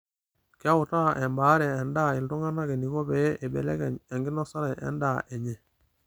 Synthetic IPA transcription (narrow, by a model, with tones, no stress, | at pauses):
kɪ˦a˦wʊ˨ta˦ʔɛ˨mbaː˨˦ɾɛː˨nda˦˨i˨ntu˦ŋa˦na˦kɛ˨ni˨ko˦bɛ˨˦ʔɛ˨bɛ̰˨lɛ˦kɛ˨ɲɛ˨ŋɡɪ˦na˦sa˦ɾɛ˨ʔɛ̰˨˦ndaː˦ʔɛ˨ɲe˨